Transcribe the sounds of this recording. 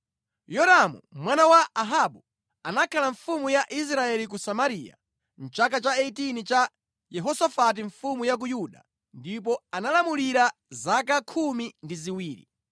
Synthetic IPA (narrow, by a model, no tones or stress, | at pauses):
jɔɾamṵmwanawaaɦaɓu | anakʰalaɱfumujaʔis̬ɾaɛlik̬usamaɾija̰ | n̩t͡ʃakat͡ʃaɛtinit͡ʃa | jɛɦɔsafat̬iɱfumujak̬ujuɗa̰ | ndip̬ɔanalamuliɾazakakʰumindiziwiːɾḭ